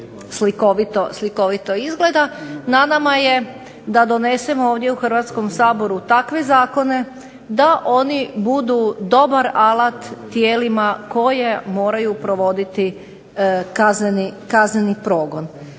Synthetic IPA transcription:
slikoʋit̪osliko̞ʋit̪oizɡle̞d̪ananamaje̞ | d̪ad̪o̞ne̞semooːʋd̪jeuxr̩ʋat̪sko̞msaːbo̞ɾut̪akʋezaːko̞ne̞ | d̪aʔo̞nibud̪ud̪o̞baɾalˠat̪ːjeːlimako̞jemo̞ːɾajupɾo̞ʋo̞d̪it̪i | kaznenikaznenipɾoːɡo̞n

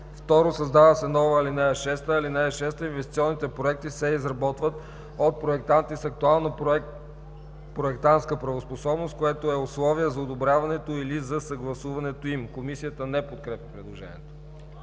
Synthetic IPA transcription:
ft̪ɔɾosɐzd̪avəsɛnɔvəilinɛɛʃɛst̪əilinaʃɛst̪əinvɛst̪it̪siɔnːit̪ɛpɾoɛk̚t̪isɛizɾɐbɔt̪vət̪ | ot̪̚pɾoɛk̚t̪ant̪isɐk̚t̪ualˠnə | pɾoɛkt̪ant̪skəpɾɐvosposɔbnost̪̚koɛt̪oɛoslˠɔviəzɐod̪obɾʲavɐnɛt̪oilizɐsɐɡlˠɐsuvɐnɛt̪oimkomisijət̪ənɛpot̪̚kɾɛpʲjɐpɾɛd̪lˠoʒɛ̰nʲḭɛt̪o̥

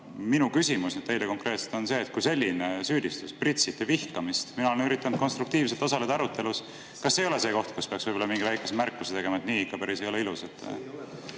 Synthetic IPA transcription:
minukysimusnet̪t̪ejleko̞ŋkɾe̞ːt̪se̥t̪onse̞ːt̪̚kujse̞lʲːinesyːd̪̥ist̪usprit̪ʲsit̪ːˑevihkɑmist̪minɑoenyɾit̪ːˑɑnud̪̥ko̞nst̪ɾukt̪iːvse̞lt̪osɑle̞d̪ɑɑɾut̪ˑːe̞lus | kɑsːejo̞le̞se̞ːko̞ht̪̚kuspe̞ɑksvɤjbolɑmiŋɡivæjkːˑesmærkːˑuset̪e̞ɡ̥e̞mɑet̪niːikːɑpæɾise̞jo̞leiluset̪ːˑ

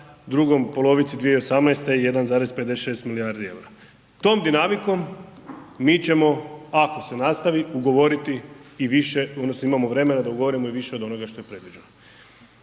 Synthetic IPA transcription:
d̪ɾuɡo̞mpo̞lˠo̞ʋit̪sid̪ʋije̞io̞samnajst̪e̞ije̞d̪anzaːɾe̞zped̪eʃe̞ːst̪milijaɾd̪ie̞̰wɾa | t̪o̞ːmd̪inamiko̞mː | iːt͡ɕe̞mo̞ako̞se̞nast̪aʋiuɡo̞ʋo̞ɾit̪iːʋiʃe̞od̪nosnoimamo̞ʋɾe̞me̞nad̪auɡo̞ʋoɾimoiʋiʃe̞o̞d̪o̞no̞ɡaʃt̪o̞jepɾe̞d̪ʋid͡ʑe̞no

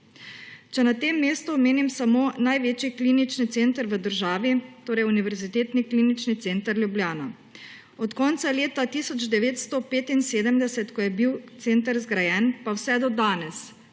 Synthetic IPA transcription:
t͡ʃɛnat̪eːmːeːst̪uɔmeːnimsamoːnajʋeːt͡ʃiklinit͡ʃnit̪sent̪əɾʋəd̪əɾʒaːʋit̪oːɾɛjuniʋɛɾzit̪eːt̪nikliːnit͡ʃnit̪seːnt̪əɾlʲjubljaːna | ɔt̪kɔnt̪saleːt̪at̪iːsɔd͡ʒd̪ɛʋeːt̪st̪ɔpeːt̪inseːd̪əmd̪ɛsɛt̪kɔjɛbiwt̪seːnt̪əɾzɡɾajɛnpawsɛd̪ɔd̪aːnɛs

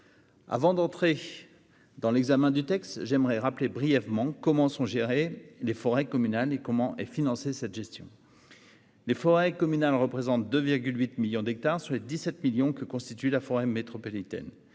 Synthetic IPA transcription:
a̰vɑ̃d̪ɑ̃t̪χe | d̪ɑ̃lɛɡzamɛ̃d̪yt̪ɛkst̪ʒɛmʁɛʁaplebʁijɛvmɑ̃kɔmɑ̃sɔ̃ʒeʁelefɔʁɛkɔmynalekɔmɑ̃ʔɛfinɑ̃sesɛt̪ʒɛst̪jɔ̰̃ | lefɔʁɛkɔmynalʁəpχezɑ̃t̪̚d̪øviʁɡʲylɥit̪miljɔ̃d̪ɛk̚t̪aʁsyʁled̪isɛt̪miljɔ̃kəkɔ̃st̪it̪ylafɔʁɛmet̪χɔpɔlit̪ɛ̰n

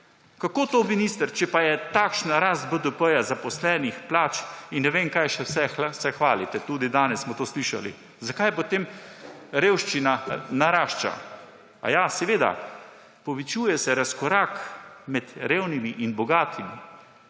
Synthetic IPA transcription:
kakoːt̪ominist̪əɾt͡ʃɛpajɛt̪aːkʃnaɾaːst̪̚bəd̪əpəjazapɔslɛːnixplaːt͡ʃinːɛʋeŋkajʃɛsɛsɛxʋaːlit̪ɛt̪uːd̪id̪aːnɛssmɔt̪oːsliːʃa̰lḭ | zakajpot̪em | ɾeːwʃt͡ʃinanaɾaːʃt͡ʃa̰ | a̰jasɛʋeːd̪a̰ | pɔʋit͡ʃuːjɛsɛɾaskɔɾakmɛt̪ɾeːwnimiʔinbɔɡaːt̪ʰimḭ

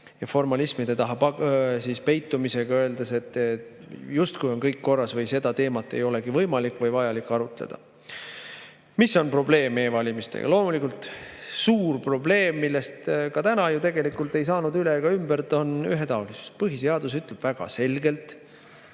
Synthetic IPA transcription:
jɑfo̞rmɑlismid̪̥et̪ɑɦɑɑsiːspe̞jt̪ːˑumise̞ɡ̥ɑøeld̪ese̞t̪ːˑ | just̪kujo̞nkɤjkːo̞rːɑsvɤjse̞d̪̥ɑt̪e̞ːmɑt̪ːˑe̞̰jo̞le̞ɡ̥ivɤjmɑlikːˑvɤjvɑjɑlikːɑɾut̪ˑlḛd̪̥ɑ̰ | misːo̞npro̞ble̞ːmːeːvɑlʲimist̪ḛɡ̥ɑ̰lo̞ːmulikːˑult̪suːrpro̞ble̞ːmːilːest̪kɑt̪ænɑjut̪e̞ɡe̞likult̪e̞jsɑːnud̪yleɡ̥ɑymbæɾt̪o̞nyɦet̪ɑulisu̥spɤɦiseɑd̪us̬yt̪leb̥væɡ̥ɑ̰se̞lɡe̞lt̪ˑ

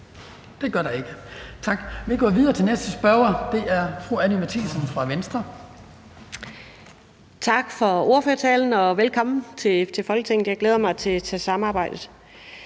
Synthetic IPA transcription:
d̥e̝ɡ̥ɶɐɾ̥ɑ̈e̝ɡ̥ət͡sʰɑ̈ɡ̥ʋeɡ̥ɔ̰ːʋið̞ˠɐːt͡sʰe̝lnesd̥əsb̥ɶɐɐd̥e̝ʔæɐfʁuænimæt͡sʰilsənfʁɑ̈ʋensd̥ʁɐ | t͡sʰɑ̈ɡ̥fɒ̽o̝ɐføɐt͡sʰɛːln̩ɒ̽ʋelkʰɒ̽m̰n̩t͡sʰe̝t͡sʰe̝fɒ̽lɡ̥ət͡sʰeŋ̰n̩jɑ̈ɪ̥leːð̞ˠɐmɑ̈ɪt͡sʰe̝æt͡sʰɛsɑ̈mɑ̈ːb̥ɑ̈ɪ̰d̥ð̩ˠ

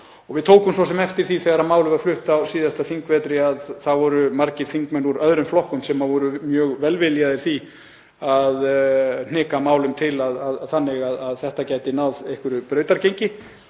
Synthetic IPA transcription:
ɔɣvɪðt̪ʰoːwkʏmsvɔsɛmɛft̪ɪɾ̥θiθɛɣaɾamaːwlʏvaðflʏht̪awsiːðast̪aθiŋkvɛːt̪ɾɪaðθaðvɔɾʏmaɾcɪɾ̥θiŋkmɛnuɾœðɾʏmflɔhkʏmsɛmːaðvɔɾʏmjœːɣvɛlvɪljaðɪɾ̥θi | aðn̥ɪːkamaːwlʏmt̪ʰɪlaðaðθanːɪɣaðaðθɛht̪acaːjt̪ɪnawðejhkʏɾʏpɾœːɥt̪aɾcejɲcɪ

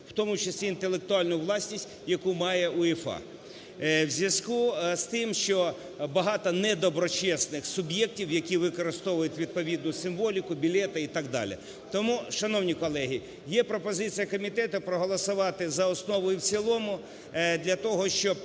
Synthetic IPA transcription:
wt̪ɔmʊt͡ʃɐsʲlʲiːnt̪elˠek̚t̪ʊɑlʲnʊʋlˠɑsʲnʲisʲtʲjɐkumɑjɛʔʊifɑ̰ | wzʲʋjʲɐskust̪ɪmʃt͡ʃɔ | bɐɦɑt̪ɔnɛd̪ɔbɾɔt͡ʃɛsnɪxsʊbʲjɛk̚tʲiwjɐkʲiʋɪkɔɾɪst̪ɔʋʊjʊtʲʋʲid̪̚pɔʋʲid̪nʊsɪmʋɔlʲikʊbʲilʲɛt̪ɐit̪ɑɡ̚d̪ɑ̰lʲɪ̰ | t̪ɔmuʃɐnɔwnʲikɔlˠɛɦi | jɛpɾɔpɔzɪt͡sʲijɐkɔmʲit̪ɛt̪ʊpɾɔɦɔlˠɔsʊʋɑt̪ɪzɐɔsnɔʋɔjʊwt͡sʲilˠɔmʊ | d̪lʲɐt̪ɔɦɔʃt͡ʃɔb

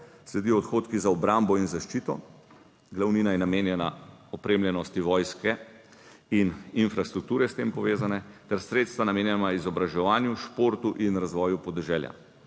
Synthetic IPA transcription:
slɛd̪iːɔt̪xoːt̪kizaɔbɾambɔinzaʃt͡ʃiːt̪ɔ̰ | ɡlawniːnajɛnameːnjɛna̰ɔpɾeːmljɛnɔst̪iʋɔːjskɛ | ininfɾast̪ɾuk̚t̪uːɾɛst̪eːmpɔʋeːzanɛt̪ɛɾsɾeːt̪st̪ʋanameːnjɛnaizɔbɾaʒɛʋaːnjuʃpoːɾt̪uʔinɾazʋɔːjupɔd̪ɛʒɛːlja̰

